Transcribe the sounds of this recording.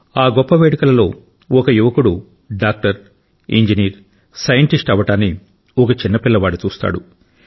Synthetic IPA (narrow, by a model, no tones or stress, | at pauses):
aːɡɔpːɐʋeːɽikɐlɐlo̞ː | ɔkɐjuʋɐkuɽu | ɖaːk̚ʈɐɾ | ḭɲd͡ʒiniːɾ | sɐjɐɳʈisʈɐʋɐʈaːnːi | ɔkɐt͡ʃinːɐpilːɐʋaːɽut͡ʃuːst̪a̰ːɽu